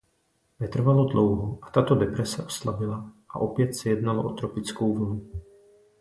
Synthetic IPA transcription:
vɛt̪r̩valo̞dlowɦoʔat̪at̪odɛpɾɛsɛʔo̥slabɪlaʔa̰ʔo̞pjɛt̪sɛjɛdnaloʔot̪ɾopɪt͡skowvlu

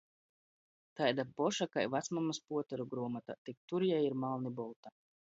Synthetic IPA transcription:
t̪ajd̪apɔʃakajvat̪smamaspuɔt̪ɛɾuɡɾuɔmat̪a̰t̪ik̚t̪uɾjajiɾmalˠnibɔlˠt̪a

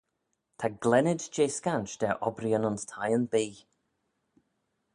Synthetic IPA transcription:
t̪ʰaɡlɛnɪdd͡ʒeːskant͡ʃd̪̥ɛʔɔbɾiənʊnstʰajənbiː

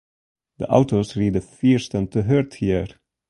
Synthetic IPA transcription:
ðə̰ʔa̰ʊtosɹid̪əfiɹstə̃nt̪ʰəɦəɹthiɹ

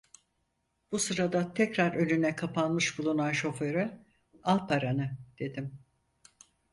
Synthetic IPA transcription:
b̥usɯɾad̪at̪ʰɛcɾaɾø̞nynɛkʰapʰanmɯʃbulˠunanʃo̞feɾɯ | alˠpʰaɾanɯd̪̥e̞d̪im

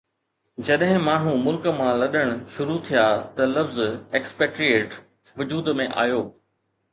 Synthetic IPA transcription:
d͡ʑɐɗɦɪ̃maːɳ̤ũmʊlkə̆mãlɐɗəɽ̃ʃʊɾut̪ʰijat̪ɐlɐfzeːkspeːʈɾieːʈ | ʋʊd͡ʑuːd̪mẽʔa̰ːjoː

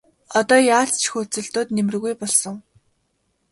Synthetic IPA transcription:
ɔt̪ɔːjaːɬt͡st͡ɕxuːt͡sɘ̆ɬt̪oːt̪nem̆rɣujpɔɮsɞ̆ŋ

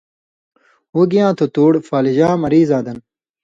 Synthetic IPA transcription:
uɡijãːt̪ʰot̪oːɽfaːliʑãːmɐɾiːzãːd̪ɐn

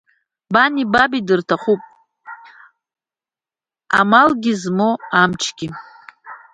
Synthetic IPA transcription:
banibabidɨrtʰaχupʼ | a̰malɡʲizmoamt͡ʃʰɡ̥ʲi

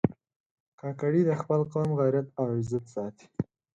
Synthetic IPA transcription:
kɑkaɽid̪əxpəlqɑmɣajɾat̪awɪzat̪sɑt̪i̥

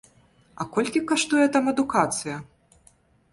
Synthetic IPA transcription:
ɐkɔlʲkʲikaʂt̪ujɛt̪amɐd̪ukat̪sɨjɐ

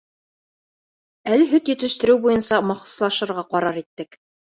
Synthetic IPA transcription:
ælɘɦɵk̪jɵ̆t̪ɘ̆ʃt̪ɘ̆ɾɘwbujɤnsɑmɑχŭ̥slˠɑʃɤ̆ɾʁɑqɑɾɑɾit̪ːɘk

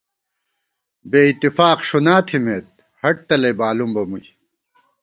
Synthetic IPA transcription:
beːit̪ːifaːqʂunaːt̪ʰimeːt̪̚ | hɐʈ̚t̪ɐlɐjbaːlumbɐmuj

